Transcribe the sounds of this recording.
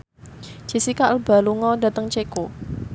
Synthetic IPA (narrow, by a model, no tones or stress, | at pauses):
d͡ʒ̥i̤sikaʔəlba̤luŋɔda̤t̪əŋt͡ʃeko